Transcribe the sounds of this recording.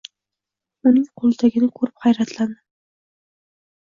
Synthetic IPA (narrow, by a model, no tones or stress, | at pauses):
ʊnɪŋqʰolˠd̪ʰaɡʲɪnɪkʰɵɾɪphajɾat̪ʰland̪ɪ